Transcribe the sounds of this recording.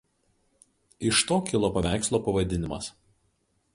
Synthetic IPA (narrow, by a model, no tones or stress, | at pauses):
ɪʃt̪oːkʲɪlˠoːpɐʋʲæˑɪkslˠoːpɐʋɐd̪ʲɪnʲɪmɐ̰s